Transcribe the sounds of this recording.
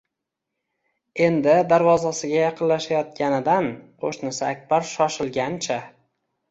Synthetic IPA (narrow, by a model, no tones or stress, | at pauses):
e̞nd̪ɪd̪aɾvɒzasɪɡʲajɑqʰɨnlaʃajɒt̪̚kʲanɪd̪anqʰoʃnɪsɪak̚ʲb̥aɾʃɒʃɪlˠɡʲant͡ʃʰa